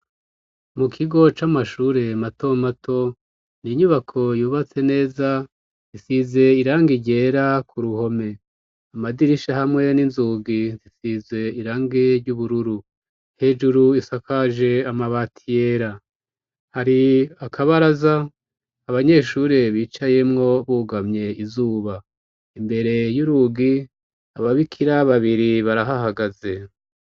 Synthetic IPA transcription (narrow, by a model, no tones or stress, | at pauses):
mukʰiɡo̞t͡ʃamaʃuːɾe̞mato̞matʰo̞ | niɲuβakʰo̞juːβat͡se̞ne̞ːza | isize̞iɾaːŋɡiɟe̞ːɾakuɾuho̞me̞ | amadiɾiʃahamŋe̞ninzuːɡizisize̞iɾaːŋɡeɾɟuβuɾuɾu | he̞ːd͡ʒuɾuisakʰaʒe̞amaβatʰije̞ɾa | haɾiakʰaβaɾazaː | βaɲe̞ːʃuɾeβiːt͡ʃaje̞mŋo̞βuːɡamɲe̞izuːβa | imbe̞ɾe̞juɾuɡi | aβaβikʰiɾaβaβiɾiβaɾaɦaɦaɡaze̞